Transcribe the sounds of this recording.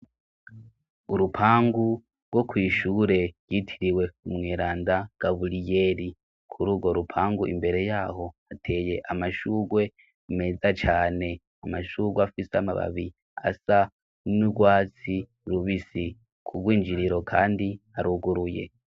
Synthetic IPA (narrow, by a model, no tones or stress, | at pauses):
uɾupʰaːŋɡu | ɾɡo̞kwiːʃuɾe̞ɾ̥jitʰiɾiwe̞umŋeːɾaːndaɡ̥aβulije̞ɾi | kʰuɾuːɡo̞ɾupʰaːŋɡuʔḭmbe̞ɾe̞jaːho̞atʰe̞ːje̞ʔamaʃuːɡwe̞ | me̞zat͡ʃaːne̞ | amaʃuːɡweafiseama̰βa̰βi | a̰sa | nuɡwaːt͡si | ɾuβisi | kʰuɡwiːnd͡ʒiɾiɾo̞kʰaːndihaɾuɡuɾuje̞̰